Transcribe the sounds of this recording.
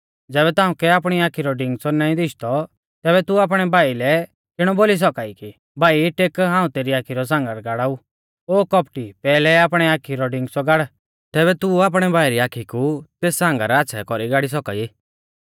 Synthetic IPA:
d͡zɛːβɛt̪ãːũkɛaːpɽ̃iaːkʰiɾɔɖɪ̃ŋɡsɔnaːĩd̪ɪʃt̪ɔ | t̪ɛːβɛt̪uaːp̬ɽ̃ɛbʱaːilɛ | kɪɽ̃ɔboːlis̬ɔkaːiki | bʱaːiʈeːkɦãːũt̪eːɾiaːkʰiɾɔs̬ãːŋɡəɾɡaɽaːu | oːkɔpʈipɛːlɛaːpɽ̃ɛaːkʰiɾɔɖɪ̃ŋɡsɔɡaɽ | t̪ɛːβɛt̪uaːp̬ɽ̃ɛbʱaːiɾiaːkʰikut̪eːsːãːŋɡaɾaatːʃʰɛ̰kɔɾiɡaːɽis̬ɔka̰i

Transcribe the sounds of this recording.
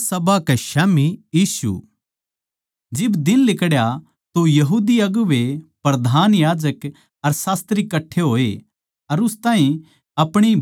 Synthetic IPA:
sɐbakeʃaːmijiːsṵ | d͡ʒɪbd̪ɪnlɪkɽja | t̪ojɐɦuːd̪iɐɡʊʋepɾɐd̪ʱaːnjaːd͡ʒək | ɐɾsaːst̪ɾikːɐʈʰːeɦoːe | ɐɾʊst̪aːɦĩ | ɐpɽ̃i

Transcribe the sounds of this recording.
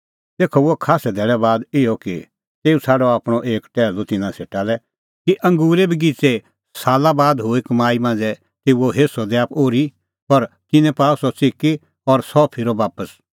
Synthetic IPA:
t̪eːkʰɔʊɛkʰaːsɛd̪ʱɛːɭɛbaːd̪ɪjɔkḭ | t̪eːusʰaːɖɔaːpɽ̃ɔʔeːkʈɛːlot̪ɪnãseːʈalɛ | kiʔɐ̃ŋɡuːɾebʱiɡit͡se | saːlabaːd̪ɦoekmaːimãːnd͡zɛ | t̪eːuoɦeːsɔd̪eaːpoːɾi | ɔɾ | k̪ɪnɛ̃paːusɔt͡sɪki | ɔɾsɔpʰɪɾobaːpəs

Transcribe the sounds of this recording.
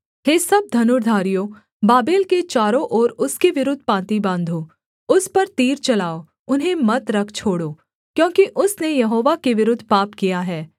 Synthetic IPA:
ɦeːsɐb̚d̪ʱɐnʊɾd̪ʱaːɾijo | baːbeːlket͡ʃaːɾõʔɔːɾʊskeʋɪɾʊd̪ʱpãːt̪ibãːnd̪ʱoː | ʊspɐɾt̪iːɾt͡ʃɐlaːo | ʊnɦẽmɐt̪ɾɐkʰt͡ʃʰoːɽoː | kjõːkiʔʊsnejɐɦoːʋakeʋɪɾʊd̪ʱːpaːpkijaɦɛː

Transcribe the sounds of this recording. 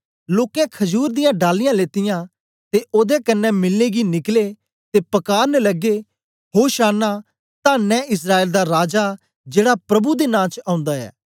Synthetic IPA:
loːkɛ̃kʰɐd͡ʒuːɾd̪ɪjãːɖaːlːɪjãleːt̪ɪjãː | t̪eʔoːd̪ekənːɛmɪlneɡinɪkleː | t̪eːpɐkaːɾnɛlɐɡe | ɦoːʃaːna | t̪ãːnɛ̃ːʔɪs̬ɾaːeːld̪aɾaːd͡ʒa | d͡ʒeːɽapɾɐbud̪enãːt͡ʃãːʊ̃nd̪aɛ̰ː

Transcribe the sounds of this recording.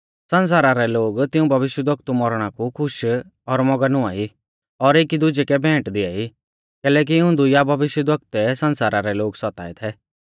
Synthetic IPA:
sɐ̃ns̬aːɾaɾɛloːɡt̪ɪũbʱɐʋɪʃjəd̪ɐkt̪umɔɾɽ̃akukʰʊʃ | ɔɾmɔɡənʊ̃aːi | ɔɾeːkid̪ʊd͡ʒɛkɛbʱɛ̃ːʈd̪ɪa̰ːi | kɛːlɛk̬iʊ̃nd̪ujabʱɐʋɪʃjəd̪ʋɐk̚t̪ɛsɐ̃nsaːɾaɾɛloːɡsɔt̪a̰ːɛt̪ʰɛ

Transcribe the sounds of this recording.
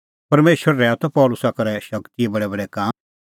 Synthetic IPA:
pɐɾmeːʃəɾːɛːat̪ɔpɔːlʊsakɐɾɛʃɐkt̪iebɐɽɛbɐɽɛkaː

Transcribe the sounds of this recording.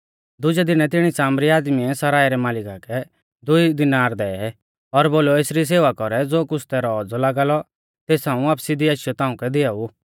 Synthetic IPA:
d̪ʊd͡ʒɛd̪ɪñɛt̪ɪɽ̃isaːmɾiaːd̪miɛsɐɾaːjɾɛmaːlɪkakɛ | d̪ʊid̪ɪnaːɾd̪ɛːɛ | ɔɾboːlɔeːsɾis̬eːʋakɔɾɛd͡zoːkʊsʰt̪ɛɾɔɔd͡zɔlaːɡaːlɔ | t̪eːsãːũaːpsid̪iaʃjɔt̪ãːʊ̃kɛd̪ɪau

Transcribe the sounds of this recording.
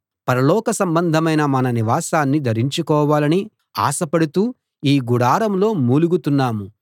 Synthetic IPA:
pɐɾɐlɔːkɐsɐmbɐnd̪ʱɐmɐjnɐmɐnɐniʋaːsaːnːid̪ʱɐɾiɲt͡ʃukɔːʋaːlɐni | a̰ːsɐpɐɽut̪uː | iːɡuɽaːɾɐmlo̞ːmuːluɡut̪unːaːmu

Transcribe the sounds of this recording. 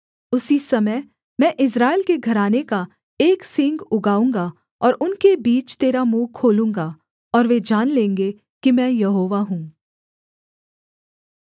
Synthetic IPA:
ʊsisɐməj | mɛ̃ʔɪs̬ɾaːelkeɡʱɐɾaːneka | eːksɪ̃ŋɡʊɡaːũːŋɡa | ɔːɾʊnkebiːt͡ʃt̪eːɾamũːkʰoːlũːŋɡa | ɔːɾʋed͡ʒaːnlẽːŋɡe | kimɛ̃ːjɐɦoːʋaɦũː

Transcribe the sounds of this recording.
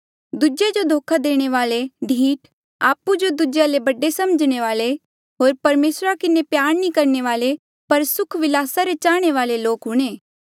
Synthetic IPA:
d̪ud͡ʒed͡ʒod̪ʱoːkʰad̪eːɽ̃eʋaːleɖʱiːʈ | a̰ːpud͡ʒod̪ʊd͡ʒjalebɐɖːesɐməd͡ʒɽ̃eʋaːle | ɦoːɾpɐɾmeːsɾakɪnepjaːɽ̃nĩkɐɾneʋaːle | pɐɾsʊkʰʋɪlaːsaɾet͡ʃaːɽ̃eʋaːleloːkɦʊɽ̃eː

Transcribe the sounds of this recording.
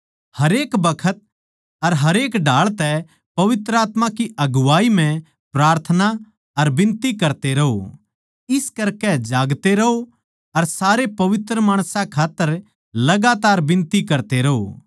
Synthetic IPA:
hɐɾeːkbɐkʰət̪̚ | ɐɾɦɐɾeːkɖʱaːɭt̪ɛ | pɐʋɪt̪ɾəaːt̪mãkiɐɡʊʋaːimɛ̃ | pɾaːɾt̪ʰəna | ɐɾbɪ̃nt̪ikɐɾt̪eɾɐɦo̰ | ɪskɐɾkɛd͡ʒaːɡt̪eɾɐɦo | ɐɾsaːɾepɐʋɪt̪ɾəmaːɽ̃sãkʰaːt̪ːəɾ | lɐɡat̪aːɾbɪ̃nt̪ikɐɾt̪eɾɐɦo̰

